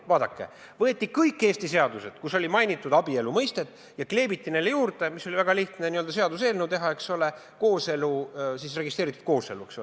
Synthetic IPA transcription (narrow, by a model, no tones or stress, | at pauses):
vɑːd̪̥ɑkːe̞̰ | vɤ̞e̞t̪ːˑikɤjkːˑe̞ːst̪iseɑd̪use̞d̪̥kuso̞lʲimɑjnit̪ːˑud̪̥ɑbie̞lumɤjst̪e̞t̪ːˑ | jɑkle̞ːb̥it̪ːine̞jlːejuːrd̪e̞misːo̞lʲivæɡ̥ɑliht̪neniø̞ld̪ɑse̞ɑd̪useːlne̞wt̪e̞ɦɑe̞ksole̞ | ko̞ːse̞lusisre̞ɡist̪reːɾit̪ːˑu̥d̪̥ko̞ːse̞luekso